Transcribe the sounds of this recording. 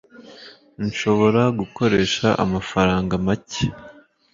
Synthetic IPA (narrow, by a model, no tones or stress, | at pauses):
nʃo̞βo̞ɾaɡuko̞ɾe̞ːʃaʔa̰mafaɾaːŋɡamace̥